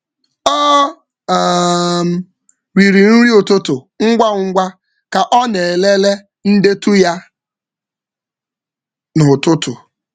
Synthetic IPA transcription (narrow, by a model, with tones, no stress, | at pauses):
ɔ˦˨ | m̩˨ | ɾi˨ɾi˨n̩˦ɾi˦ʊ˨tʊ˦tʊ˨ | ŋ̩˦ɡʷa˦ŋ̩˦ɡʷa˦ | ka˨ʔɔ˦ne˨le˦le˦ | n̩˦de˦tu˦ja˦ | nʊ˨tʊ˦tʊ˨